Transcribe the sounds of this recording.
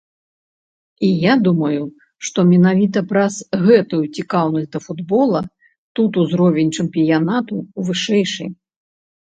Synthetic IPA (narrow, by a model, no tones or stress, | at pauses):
ijad̪umɐju | ʂt̪ɔmʲɛnavʲit̪ɐpɾɐz̥ɣɛt̪ujut͡sʲikawnɐsʲd̪ɐfud̪bɔlˠɐ | t̪ut̪uzɾɔvʲɛnʲt͡ʂɛmpʲijanat̪uvɨʂɛjʂɨ̰j